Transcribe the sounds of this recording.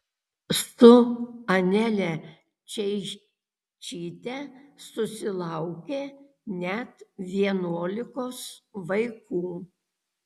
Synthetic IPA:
st̪ʊɐnʲɛlʲɛ | t͡ʃʲɛɪ | t͡ʃʲiːt̪ʲɛsʊsʲɪlˠɑʊkʲeː | nʲɛt̪ʋʲiɛnuɔlʲɪkoːsʋɐɪkuː

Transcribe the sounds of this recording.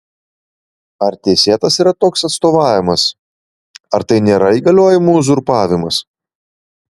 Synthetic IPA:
ɐɾt̪ʲeɛsʲeːt̪ɐsiːɾɐt̪oːksɐt̪st̪oːʋɑːʋʲɪmɐs | ɐɾt̪ɐɪnʲeːɾɐiːɡɐlʲoːjɪmuːzʊɾpɑːʋʲɪmɐs

